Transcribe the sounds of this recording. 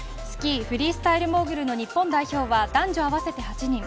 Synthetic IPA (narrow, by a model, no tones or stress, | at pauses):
sɨ̥kʲiɸɯ̟ɾʲiːsɨ̥t̪aiɾɯ̟mo̞ːɡɯ̟ɾɯ̟no̞ɲ̟ipːõ̞nd̪aiço̞ːβad̪ãɲd͡ʑo̞aβ̞ase̞t̪e̞hat͡ɕiɲ̟ĩŋ